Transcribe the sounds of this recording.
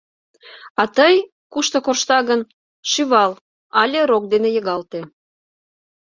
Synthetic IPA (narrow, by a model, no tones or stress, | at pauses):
ɑt̪əj | kuʃt̪okorʃt̪ɑɣən | ʃyβɑl | ɑlʲeɾok̚d̪enejəɣɑlt̪e